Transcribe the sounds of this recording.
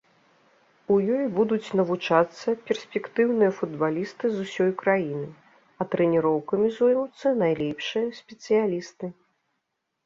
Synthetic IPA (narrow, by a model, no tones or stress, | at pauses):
ujɔjbud̪ut͡sʲnɐvut͡ʂat̪sːɐpʲɛrsʲpʲɛkt̪ɨwnɨjɐfud̪balʲist̪ɨzusʲɔjkɾajinɨ | ɐt̪ɾɛnʲiɾɔwkɐmʲizujmut̪sːɐnajlʲɛpʂɨjɐsʲpʲɛt̪sɨjalʲist̪ɨ